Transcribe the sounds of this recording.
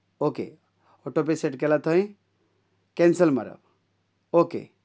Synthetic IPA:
okḛ | oʈop̬eseʈkelat̪ʰəĩ | kensəlmɐ̰ɾə̰b | okḛ

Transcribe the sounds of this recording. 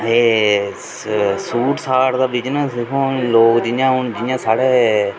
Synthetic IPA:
eː | suːʈsaːʈd̪aːʋɪt͡ʃnaːsɪkʰõːloːkd͡ʒɪjãːɦʊɳd͡ʒɪjãːsaːɽeː

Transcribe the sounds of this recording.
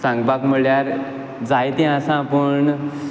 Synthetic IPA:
sãŋɡbakm̤əɭjaɾ | d͡zajt̪ẽasãːpəɳ

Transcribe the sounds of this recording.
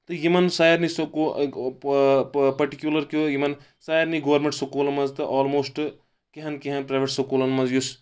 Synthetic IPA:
t̪ɨjimɐnsaːjɐɾnisoko | pɐʈikjulɐɾkojimɐn | saːjɐɾniɡoʋɐɾmẽɳʈsokuːlɐmɐzt̪ɨʔɔːlmoːsʈ | keɦɐnkeɦɐnpɾaːjʋeʈsokuːlɐnmɐzjus

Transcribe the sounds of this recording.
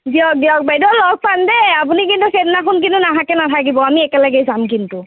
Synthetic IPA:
ziɔk̚diɔk̚bajdɔlɔɡ̚pandɛapunikintuxɛtnaxʰɔnk̬intunaɦakɛnatʰak̬ibɔamiɛkɛlaɡɛzamkintʊ

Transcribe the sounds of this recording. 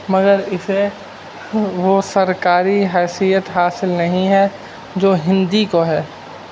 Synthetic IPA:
mɐɡəɾɪse | ʋosɐɾkaːɾiɦɛːsijət̪ɦaːsɪlnɐɦĩɦɛ | d͡ʒoːɦɪ̃nd̪ikoɦɛː

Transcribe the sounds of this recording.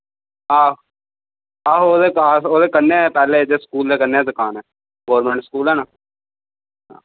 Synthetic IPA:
aː | aːɦooːd̪eːkaːsoːd̪eːkənːeːɛːpɛːleːd̪eːskuːld̪eːkənːeːɛːd̪ʊkaːnɛː | ɡoːɾmɛ̃ːɳʈskuːlɛːnaː | ɦaː

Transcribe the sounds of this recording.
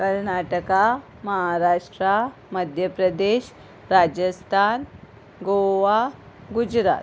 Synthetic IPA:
kəɾnaʈəka | məɦaɾaʂʈɾa | məd̪ʱjəpɾəd̪eɕ | ɾad͡ʑəst̪ʰan | ɡoʋa | ɡud͡ʑɾa̰t̪

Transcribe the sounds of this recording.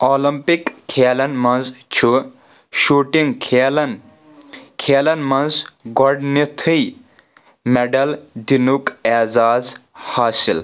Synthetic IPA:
oːlimpikʰːeːlɐnmɐnzt͡ʃʰu | ʃuːʈiŋɡkʰelɐn | kʰeːlɐnmɐnzɡɔɖnit̪ʰɨj | meɖɐld̪inukezaːzhaːsil

